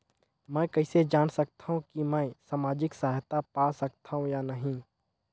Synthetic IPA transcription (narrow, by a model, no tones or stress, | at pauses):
mɛ̃ːkɐɪsed͡ʒaːnsɐk̚t̪aɦũkimɛ̃ːsaːmaːd͡ʒɪksaːt̪apaːsɐk̚t̪ʰaɦũjanɐɦĩː